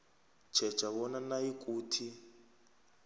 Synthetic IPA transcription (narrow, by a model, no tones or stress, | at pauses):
t͡ʃʰɛ̥t͡ʃaβɔnanaikʼuːtʰi